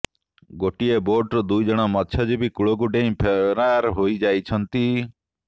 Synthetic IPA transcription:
ɡoːʈieboːʈd̪uid͡ʒəɽ̃aːmət̪t͡ʃʰəd͡ʒebʱikʊɭoɡuʈẽĩpʰeɾaːɾɦoːid͡ʒaːit͡ʃʰənt̪iː

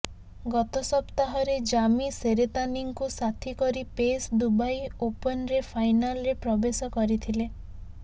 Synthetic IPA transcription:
ɡɔt̪ɔsɔpt̪aɦɔɾed͡ʒamiseɾet̪aniŋkusat̪ʰikɔɾipesd̪ubajopɔnɾepʰajnalɔɾepɾɔbesɔkɔɾit̪ʰile

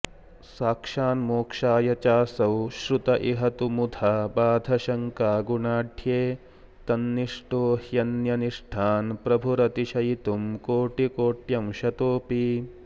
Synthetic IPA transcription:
saːkʂaːnmoːkʂaːjɐt͡ʃaːsɐwʃɾut̪ɐʔiɦɐt̪umud̪ʱabaːd̪ʱɐʃɐŋkaːɡuɳaːɖʱʰjeː | t̪ɐnːiʂʈoːhjɐnjɐniʂʈʰaːnpɾɐbʱuɾɐt̪iʃɐjt̪umkoːʈikoːʈjɐmʃɐt̪oːpi

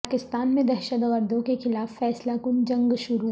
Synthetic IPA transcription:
kɪst̪aːnmẽd̪ɐɾʃət̪ɣəɾd̪õkexɪlaːfːɛːslakʊnd͡ʒɐ̃ŋɡʃʊɾu

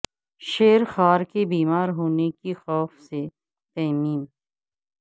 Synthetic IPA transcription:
ʃeːɾxaːɾkebiːmaːɾɦoːnekixɔːfse | t̪ɛːmiːn

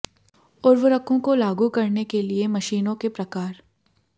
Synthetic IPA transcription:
ʊɾʋəɾəkõkolaːɡukɐɾnekeliemɐʃiːnõkepɾɐkaːɾ

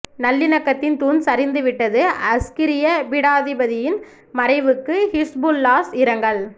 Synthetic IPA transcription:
nɐlːɪnɐkːɐt̪ːɪnt̪uːnsɐɾɪnd̪ɯʋɪʈːɐðɯɐskɪɾɪjɐbɪɽaːðɪbɐðɪjɪn | mɐɾɐɪʋɯkːɯhɪsbulːaːsɪɾɐŋɡɐɭ

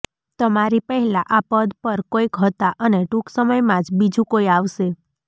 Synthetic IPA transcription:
t̪əmaɾipəɦɛlãʔapəd̪pəɾkoikɦət̪aʔəneʈũksəməjmãd͡ʒbid͡ʒũkoiaʋʃe

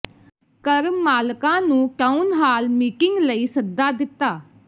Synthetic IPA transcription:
kəɾmaːlkãːnũːʈaːunɦaːlmiːkɪŋɡləiːsəd̪aːd̪ɪt̪ːaː

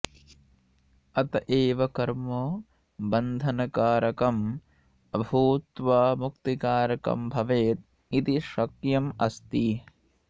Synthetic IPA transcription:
ɐt̪ɐʔeːʋɐkɐɾmoː | bɐnd̪ʱɐnɐkaːɾɐkɐm | ɐbʱuːt̪ʋaːmukt̪ikaːɾɐkɐ̰mbʱɐʋeːt̪̚ | it̪iʃɐkjɐmɐst̪i

